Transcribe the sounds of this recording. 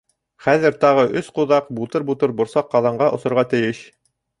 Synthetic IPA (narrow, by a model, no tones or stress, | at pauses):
χæðɘɾt̪ɑʁɤʔɵsquðɑqbut̪ɤɾbut̪ɤɾbŭɾsɑqːɑðˠɑɴɢɑʔŏsŏɾʁɑt̪ɘ̆jɘɕ